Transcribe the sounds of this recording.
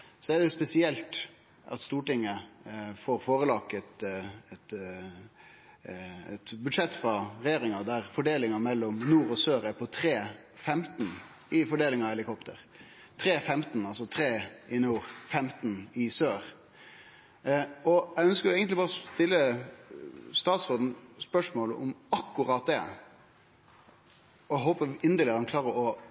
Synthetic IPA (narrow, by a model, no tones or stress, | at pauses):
sɔæɖɛʊspɛsɪɛlt̪ | ʔɑ̰t̪st̪uːʈɪŋːəfoːɾfoːɾəlɑkːɛt̪ɛt̪ | ɛt̪bʉd̪ʂɛt̪ːfɾɑɾɛjeːɾɪŋɑd̪æɾfɔɖeːlɪŋɑmɛlːɔmnuːɾɔsøːɾæɾpʰɔt̪ʰɾeː | fɛmt̪n | ɪfɔɖeːlɪŋɑːʋɛlɪkʰɔpt̪ʰəɾ | t̪ʰɾeːfɛmt̪nɑlsɔt̪ʰɾeːɪnuːɾfɛmt̪n̩ɪsøːɾ | ɔæœnskəɾjʊɛːɡənt̪lɪbɑːɾɔst̪ɪlːə | st̪ɑːt̪sʁoːd̪n̩spœʂmoːlə̰ʔʊmɑkːʉɾɑːt̪̚d̪ɛ̰ | ɔæɦoːpəʔɪnd̪əlɪhɑnkʰlɑːɾəɔ